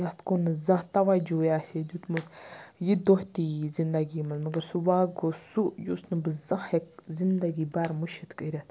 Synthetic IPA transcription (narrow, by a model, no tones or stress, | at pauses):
jat̪konɨzɐ̃ɦt̪ɐʋad͡ʒoːjaːsʲed̪ʲut̪mut̪jid̪oht̪izind̪aɡiːmɐlmɐɡəɾsuʋaːɡosujusnɨbɨzɐhek̚zind̪aɡibaɾmuʃit̪kəɾʲat̪